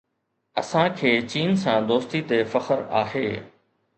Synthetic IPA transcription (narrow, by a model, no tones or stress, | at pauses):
ɐ̰sãkʰeːt͡ɕiːnsãːd̪oːst̪it̪efɐxəɾa̰ːɦeː